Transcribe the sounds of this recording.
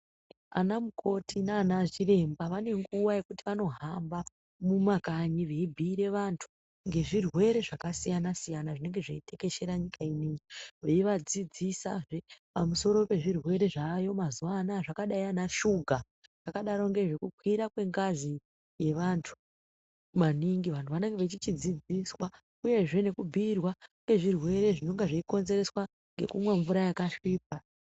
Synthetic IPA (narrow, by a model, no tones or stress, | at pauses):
a̰namukʰo̞tinaːnaʐire̞mbaʋane̞ŋɡuwaje̞kutiʋano̞ɦamba | mumakaɲiʋe̞ibʱiːɾe̞ʋantʰu̥ | ŋɡe̞ʐirwe̞ɾe̞ʐakasijanasijanaʐine̞ŋɡe̞ʐaite̞ke̞ʃe̞ɾaɲikʰainiɲiʋeiʋad͡zid͡zisa̰ʐepamuso̞ɾo̞pe̞ʐirwe̞ɾe̞ʐajo̞mazuwanaʐakaɗaianaʃuɡʱa | ʐ̥akaɗaɾo̞ŋɡe̞ʐe̞kukʰwiɾakwe̞ŋɡazi | je̞ʋantʰu̥ | ʋaniŋɡiʋantʰuʋane̞ŋɡeʋet͡ʃit͡ʃid͡zid͡ziswa | uje̞ʐe̞ne̞kubʱiːrwaŋkwe̞ʐirwe̞ɾe̞ʐino̞ŋɡeʐeiko̞nze̞ɾe̞swa | ŋɡe̞̰kumwaɱvuɾajakaʂiːp̚a